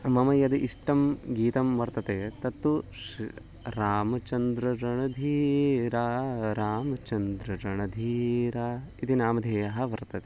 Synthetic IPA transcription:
mɐmɐjɐd̪ɐʔiʂʈɐmɡiːt̪ɐmʋɐɾt̪ɐt̪eːt̪ɐt̪ːu | ɾaːmɐt͡ʃɐnd̪ɾɐɾɐɳɐd̪ʱiːɾaːɾaːmɐt͡ʃɐnd̪ɾɐɾɐɳɐd̪ʱiːɾaː | it̪inaːmɐd̪ʱeːjɐɦɐ̆ʋɐɾt̪ɐt̪e

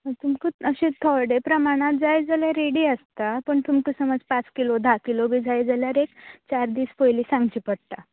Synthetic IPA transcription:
t̪umkuəɕĩt̪ʰɔɽepɾəmaɽ̃at̪̚d͡zajd͡zəleɾeɽiːəst̪apəɳt̪umkəsəməd͡zpat͡skilod̪ʱakilobʱiːd͡zʱajd͡zəljaɾekt͡ɕaɾd̪iːspojliːsãŋɡt͡ɕiːpəɽt̪a

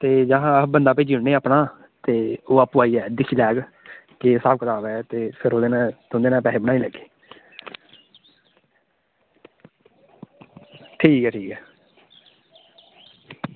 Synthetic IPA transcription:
t̪eːd͡ʒəɦãbənd̪aːpeːd͡ʒɪɳneːaːpnaː | t̪eːoːapuaːiːɛːd̪ɪkʰiːlɛːɡ | kesaːb̚kət̪aːbɛːt̪eːpʰɪɾoːd̪eːnãːt̪ʊ̃nd̪eːnãːpɛːleːbəɽaːiːlɛɡe̥ː | ʈʰiːkɛːʈʰiːkɛː

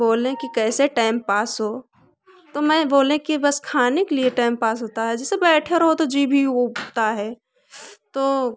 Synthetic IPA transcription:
boːlẽkikɛːseʈaːɪmpaːsɦoː | t̪omɛ̃boːlẽkibɐskʰaːnekelieʈaːɪmpaːsɦoːt̪aɦɛd͡ʒɛsebɛːʈʰeɾɦot̪od͡ʒiːbʱiot̪aɦɛː | t̪oː

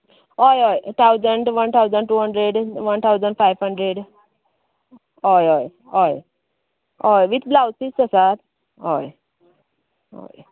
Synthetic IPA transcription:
ɔjɔjt̪ʰawd͡zəɳɖʋənt̪ʰawd͡zəɳɖʈuːɦəɳɖɾeɖʋənt̪ʰawd͡zəɳɖfajʋɦəɳɖɾeɽ | ɔjɔj | ɔj | ɔjʋit̪ʰblawt͡sisəsat̪ | ɦɔj | ɔ̰j

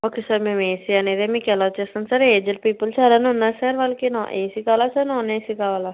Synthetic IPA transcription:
ɦoːkeːsəɾmɛ̃mẽːsianeːd̪eːmĩkɛlaːt͡ʃesənsəɾeːd͡ʒəlpiːpəlsaːɾanʊ̃nːãsɛːɾʋalkɪnɔ̃ːʔeːsɪkaːlaːsənɔ̃ːnẽsɪkaːʋalaː

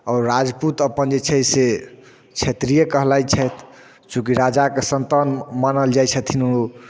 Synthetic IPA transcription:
ɔːɾːad͡ʒput̪əpənd͡ʒet͡ʃʰɛse | t͡ʃʰet̪ɾijekəɦlajt͡ʃʰɛt̪ | t͡ʃũkiɾad͡ʒakesənt̪anmanəld͡ʒajt͡ʃʰət̪ʰinuu

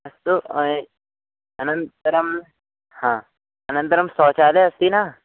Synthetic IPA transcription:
ɐst̪u | ɐnɐ̃nt̪ɾɐm | hãː | ɐnə̃nt̪ɾɐmsɔːt͡ʃaːleɐst̪inaː

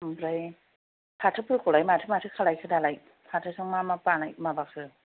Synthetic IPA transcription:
bɾaj | pʰatʰɯpʰɯkɔlajmatʰɯmatʰɯkʰalajkʰɯdalaj | pʰatʰɯsɯŋmamapanajmabakʰɯ

